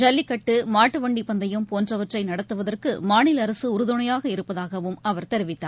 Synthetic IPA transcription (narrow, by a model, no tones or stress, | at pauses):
d͡ʒɐlːɪkːɐʈːɯmaːʈːɯʋɐɳɖipɐnd̪ɐjɐmpoːndrɐʋɐʈrɐɪnɐɽɐt̪ːɯʋɐðɐrkɯ̰maːɳɪlɐɾɐsɯʊɾɯðɯɳɐjaːɣɐɪɾɯpːɐðaːɣɐʋɯmɐʋɐɾt̪ɛɾɯʋɪt̪ːaː